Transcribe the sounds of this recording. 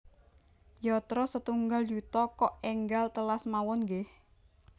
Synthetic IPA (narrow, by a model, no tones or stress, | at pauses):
jɔt̪ɾɔsət̪uŋɡaljut̪ɔkɔʔɛŋɡalt̪əlasmawɔnɡeh